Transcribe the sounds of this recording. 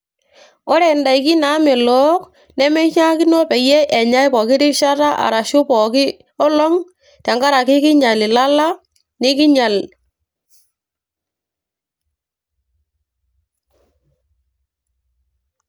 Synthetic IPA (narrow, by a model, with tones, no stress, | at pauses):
ɔ˦ɾɛ˨nda˨ɪ˨kɪ˦na˨˦mɛ˨lɔ˦k | nɛ˦mɛ˦t͡ʃa˦kɪ˦nɔ˦pɛ˨jɛ˦ʔɛ˨ɲa˦jpɔ˨kɪ˦ɾɪ˦ʃa˦ta˦ʔa̰˨ɾa˨ʃʊ˦pɔ˨kɪ˦ | ɔ˦lɔ˦ŋ | ta˨ŋɡa˦ɾa˨kɪ˦kɪ˦ɲa˨lɪ˨la˦la˦ | nɪ˦kɪ˦ɲa˨l